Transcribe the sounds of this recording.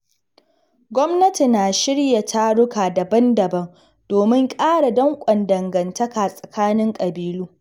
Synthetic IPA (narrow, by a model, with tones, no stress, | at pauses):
ɡʷɔ˦mnɐ˦ti˨naː˨ʃɪ˦ɽja˨tʰa˦ɽʊ˦kaː˨dɐ˨bɐ˦ndɐ˨bɐ˦m | d̥oː˨mɪ˦ŋkʼaː˦ɽa˨dɐ˦ŋkʷʼɐ˨ndɐ˨ŋɡɐ˨ntɐ˦kaː˨sʼɐ˨kʰaː˦nɪ˦ŋkʼɐ˨biː˦luː˦